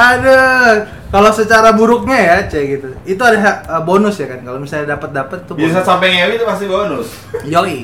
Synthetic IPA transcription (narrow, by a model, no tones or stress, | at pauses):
adə | kalosət͡ʃaɾabuɾʊk̚ɲajat͡ʃɛɡit̪uit̪uadaɦaəbonʊsjakankalomisalɲadapət̪̚dapət̪̚it̪ubiasasampɛŋewit̪upast̪ibonʊs | joi